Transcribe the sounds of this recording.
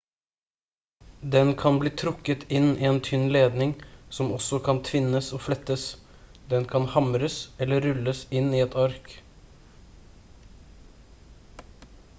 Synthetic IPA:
d̪ɛnkʰɑnbliːt̪ʰɾʊkət̪ʰɪniːeːnt̪ʰʏnleːd̪nɪŋsɔmɔsɔkʰɑnt̪ʰʋɪnəsoːflɛt̪əs | d̪ɛnkʰɑnhɑmɾəsɛlːəɾʉləsɪniːɛt̪ʰɑɾk

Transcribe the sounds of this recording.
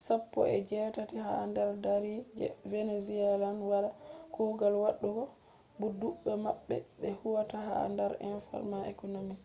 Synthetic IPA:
sapːɔ̰ɛ̰d͡ʒɛtatihandaɾdaɾid͡ʒɛveneziɛlanwalakʰɔɡalwaɗːuɡɔ | buduɓːɛmaɓːɛ̰bɛhuwataha̰ndaɾɛ̰nfa̰ɾmaɛkonomi

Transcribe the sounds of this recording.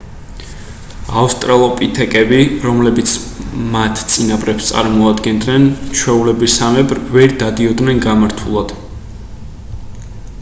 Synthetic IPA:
afst̪ʼɾalˠɔpʼit̪ʰɛkʼɛbiɾɔmlɛbit̪sʰmat̪ʰt̪sʼinabʼɾɛpst̪sʼa̰ɾmɔad̪ɡɛnd̪nɛnt͡ʃʰwɛulɛbisamɛbɾvɛɾd̪ad̪iɔd̪nɛnɡamaɾt̪ʰulˠad̪̥

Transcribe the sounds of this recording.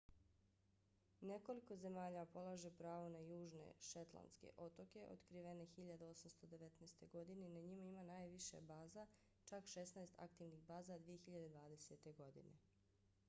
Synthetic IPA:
ne̞ko̞liko̞ze̞maːʎapo̞lˠaʒe̞pɾaːʋo̞najuːʒnḛʃet̪lˠa̰nske̞̰ʔo̞t̪o̞ke̞ʔo̰t̪kɾiʋe̞nexiʎad̪aosamst̪o̞d̪e̞ʋe̞t̪naːst̪e̞ɡo̞d̪ine̞inaɲimaimanaːjʋiʃḛbaːza | t͡ʃakʃesnajst̪ʰa̰kt̪iʋniɣbaːzad̪ʋije̞xiʎad̪e̞d̪ʋaːd̪e̞set̪e̞ɡo̞d̪ḭne̞̰

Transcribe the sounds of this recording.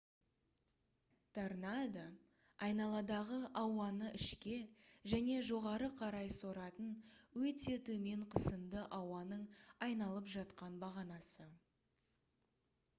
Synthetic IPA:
t̪ʰaɾnad̪a | ɑjnɑlˠɑd̪ɑʁəʔɑwɑnəʔɪʃkʲe̞ʒæne̞ʒo̞ʁɑɾəqʰɑɾɑjso̞ɾɑt̪ənwɵt̪e̞t̪ʰɵme̞ɴqʰəsəmd̪əʔɑwɑnəɴɑjnɑlˠəpʒɑt̪qɑnbɑʁɑnɑsə

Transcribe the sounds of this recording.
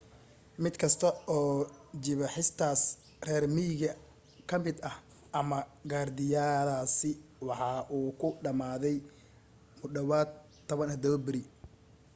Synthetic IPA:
mɪd̪kʰɐst̪ʰɐɔːd͡ʒɪβɐħɪst̪ʰaːs | rɛːrmijɣɐ | kʰɐmɪd̪ɐh | ʔɐmɐɡaːrd̪ɪjaːlaːsɪwɑħɑːʔuːkʰʊɖɐmaːðɛj | mʊɖɐwaːd̪ | t̪ʰːɔβɐnɐd̪ɔbɪɾi

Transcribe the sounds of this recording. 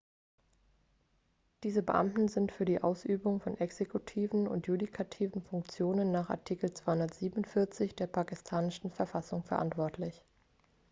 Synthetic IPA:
d̥iːzəbəʔa̰mtn̩zɪntfyːɐdiːʔaʊsʔyːbʊŋfɔnʔɛksekʰutʰiːvn̩ʊ̰ntjudikʰatʰiːvn̩fʊŋk̚t͡sjoːnənːaːχa̰ɐtʰiːkl̩t͡sv̥aɪhʊndɐtz̥iːbnʊntfɪɐt͡sɪçd̥eːɐpʰaːkɪstʰaːnɪʃn̩fɛɐfasʊŋfɛɐʔa̰ntv̥ɔɐtʰlɪç

